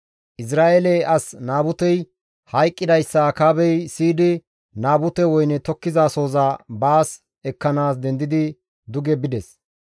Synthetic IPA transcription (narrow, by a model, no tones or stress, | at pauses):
ʔɪs̬ɾaːʔelɛɐsnaːbʊt̪ɛj | hɐjkʼːɪd̪ɐjsːɐkaːbɛjsiːd̪ɪ | naːbʊt̪ɛwɔjnɛt̪ɔkːɪzaːso̞ːzaːbaːs | ɛkːɐnaːs̬d̪ɛnd̪ɪd̪ɪ | d̪ʊɡɛbɪd̪ɛs